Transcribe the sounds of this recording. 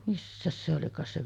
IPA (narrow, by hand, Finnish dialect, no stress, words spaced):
misːæs se olikɑːs se